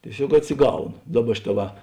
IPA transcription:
tʲiɛˈsʲoːk ɐtʲsʲɪˈɡɐʊnoː ˈdɑːˌbɐ ˈʃʲɪˌtɑː ʋɐ

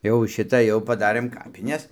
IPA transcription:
jɛʊ ˈʃʲɪtɐ jɛʊ pɐˈdɑːrɘm ˈkɑːpʲɪnʲɛs

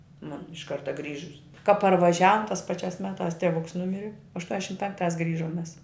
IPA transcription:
ˈmʊn ɪʃ ˈkɐrtɐ ˈɡrʲiːʒʊs kɐ pɐrʋɐˈʒʲæːʋʊm tɑːs ˈpɑːˌt͡ʃʲæːs ˈmʲæːˌtɑːs tʲɛˈʋʊks ˈnʊmʲɪrʲɪ ɐʃtuɔnʲɛˈʃʲɪm ˈpʲɛŋkˌtɑːs ˈɡrʲɪʒoːm mʲɛs

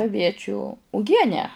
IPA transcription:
ɐˈʋʲiɛt͡ʃʲʊ ʊˈɡʲiɛnʲæː

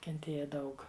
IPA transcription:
kʲɛnʲˈtʲeːjɛ ˈdɐʊk

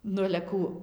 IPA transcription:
ˈnʊ ɐlʲɛ ˈkuː

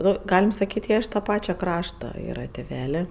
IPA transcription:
ˈnʊ ˈɡɑːlʲɪm sɐˈkʲiːtʲ ˈjiɛ ɪʃ tɐ ˈpɑːt͡ʃʲɛ ˈkrɑːʃtɐ ˈiːrɐ tʲɪˈʋʲæːlʲeː

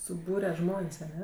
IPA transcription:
sʊˈbuːrʲɛ ˈʒmoːnʲsʲ ɐˈnʲɛ

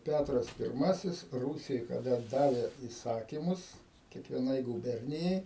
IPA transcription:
ˈpʲætrɐs pʲɪrˈmɑːsʲɪs ˈruːsʲɪjoːj kɐˈdɐ ˈdɑːʋʲeː iːˈsɑːkʲɪmʊs kʲiɛkʋʲiɛˈnɐɪ ɡuːˈbʲɛrʲnʲɪjɛɪ

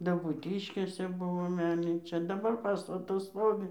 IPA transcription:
dɐbuːˈtʲɪʃʲkʲeːsʲɛ ˈbʊʋoː ˈmʲɛlʲnʲiːt͡ʃʲɛ dɐˈbɐr ˈpɑːstɐtɐs ˈstoːʋʲɪ

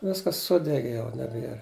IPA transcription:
ˈʋʲɪskɐs ˈsʊdʲɛɡʲɪ jɛʊ nʲɛˈbʲiɛr

